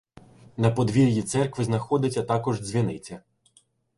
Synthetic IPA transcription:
nɐpɔd̪ʋʲiɾʲjit̪sɛrkʋɪznɐxɔd̪ɪt͡sʲːɐt̪ɑkɔʒzʲʋʲinɪt͡sʲːɐ

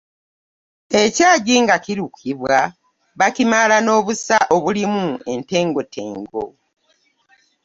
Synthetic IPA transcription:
e̞caːɟiːŋɡaciɾukiβwa | βacimalano̞ːβusaʔo̞βulimue̞nte̞ːŋɡo̞te̞̰ːŋɡo̰

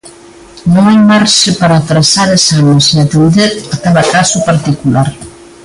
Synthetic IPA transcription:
nõŋajmaɾʃɪpaɾat̪ɾasaɾesaɲesiat̪enðeɾat̪aβakasopaɾt̪ikulaɾ

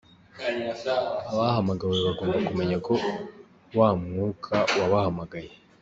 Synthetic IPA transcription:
aβahamaɡaweβaɡo̞ːmbakume̞ɲako̞ | waːmŋuːkʰawaβahamaɡaje

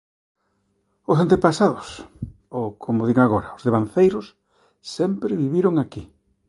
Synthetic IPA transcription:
ʊsant̪epasaðʊs | okʰomʊðiɣŋaɣ̞oɾɐozðeβanθejɾʊs | sɛmpɾɪβiβiɾʊŋaki

